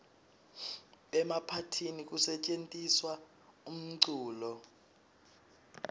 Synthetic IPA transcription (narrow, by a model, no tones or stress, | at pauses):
ɓɛmapʰatʰinik̬ʼusɛt͡ʃʼentʼiswa | um̩ǀuːlɔ